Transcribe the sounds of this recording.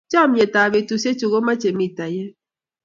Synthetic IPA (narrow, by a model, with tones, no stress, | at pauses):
t͡ʃɔ˦˨m̩˦je˨taː˨be˨tu˨se˦t͡ʃo˨ɣo˦ma˦t͡ʃe˨m̩˦i˨ta˨je˦